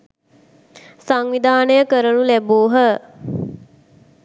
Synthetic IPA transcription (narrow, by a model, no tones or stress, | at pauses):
saŋʋid̪ʱaːnəjəkəɾənulæboːɦə